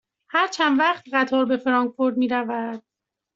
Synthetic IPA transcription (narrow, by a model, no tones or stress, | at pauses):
hæɾt͡ʃʰænd̪væχt̪ɢæt̪ʰɒːɾbe̞fɾɒːŋkfo̞ɾd̪miːɾævæd̪̥